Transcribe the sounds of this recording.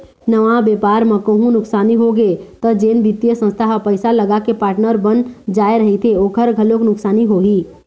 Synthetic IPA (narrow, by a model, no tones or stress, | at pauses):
nəʋãbeːpaːɾmə̃koɦũnʊksaːniɦoɡet̪əd͡ʒeːnbit̪ijəsə̃nst̪ʰaɦpəɪsaləɡakepaːɾʈnəɾbənd͡ʒaːeɾəɦit̪ʰeoːkʰəɾɡʱəloknʊksaːniɦoɦiː